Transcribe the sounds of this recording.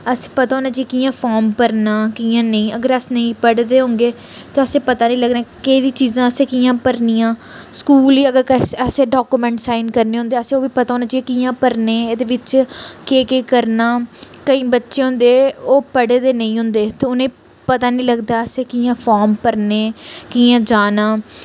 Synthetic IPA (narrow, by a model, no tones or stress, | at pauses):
əse̥ːpət̪aːɦoːnãːd͡ʒikiːjãːpʰaːɾmpəɾnãːkiːãːnəĩːəɡəɾəsnəĩːpəɽd̪eːɦõːŋɡeː | t̪eəsẽːpət̪aːnĩːləɡnaːkəiɾiːt͡ʃiːzãːəsẽːkiːãːpəɾniːãːskuːliːəɡəɾkɛːsɛseːɖaːkuːmɛ̃ːɳʈsaːiɪnkəɾneːɦʊ̃nd̪eːəsẽːoːʋiːpət̪aːɦoːnaːd͡ʒiekiːãːpəɾneːeːd̪eːʋɪt͡ʃkeːkeːkəɾnaːkəĩːbətːʃeːɦʊ̃nd̪eːoːpəɽeːd̪eːnə̃ĩːɦʊ̃nd̪eːt̪eːʊnẽː | pət̪aːnĩːləɡd̪aːəseːkiːjãːfʰɔːɾmpəɾneːkiãːd͡ʒaːnaː